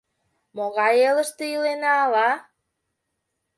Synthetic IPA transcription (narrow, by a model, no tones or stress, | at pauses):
moɣɑjeləʃt̪eilenɑːlɑ